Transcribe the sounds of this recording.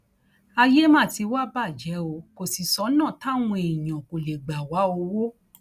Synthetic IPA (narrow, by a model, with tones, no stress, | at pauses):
a˧je˦mã˦˨ti˧wa˦ba˦˨d͡ʒɛ˨˦o˧ko˨si˨sɔ˨˦nãː˦˨ta˦˨w̃ũ˧e˨j̃ã˨ko˨le˨ɡ͡ba˨wa˨˦o˧wo˦